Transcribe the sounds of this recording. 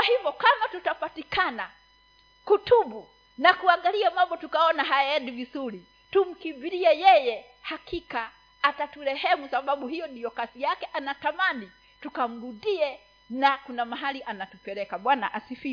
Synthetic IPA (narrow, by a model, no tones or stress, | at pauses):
wahivɔkamatutapatikʰana | kutʰuɓu | nakuaŋɡaliamambɔtukaɔnaɦajaɛɗuvizuɾi | tum̩kimbiɾiɛjɛjɛ | hakʰikaː | tatuɾɛhɛmusaɓaɓuhijɔɗiɔkasijakɛʔanatamani | tukam̩ɾuɗiɛ | nakunamaɦaliʔanatupɛɾɛkaɓwana̰ʔasifi